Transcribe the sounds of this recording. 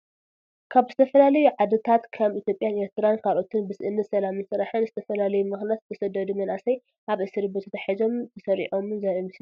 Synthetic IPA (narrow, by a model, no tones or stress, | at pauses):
kʰaβzɨt̪ʰɐfɐlalɐjuʕad̪ɨt̪ʰat̪kʰaβit̪ʰjo̞pʼːjanʔeɾt̪ʰɨɾankʰalʔo̞t̪ʰɨnbɨsɨʔɨnːɐt̪sɐlamɨnsɨɾaħɨnzɨt̪ʰɐfɐlalɐjumɨxnjat̪ɨt̪ʰɐsɐd̪ɐd̪umɐnʔasɐj | ʔaβʔɨsɨɾibɨt̪ʰɐt̪ʰɐħizo̞mt̪ʰɨsɐɾḭʕo̞mɨnzaɾomɨs